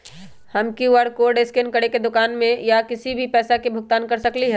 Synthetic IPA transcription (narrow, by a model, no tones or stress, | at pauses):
hɐmkiʋəɽkoːɖeːskenkəɽeked̪ʊkaːnmẽjakɪsibʱipɛːsakebʱʊɡ̚t̪aːnkɐɾsɐkliɦɛː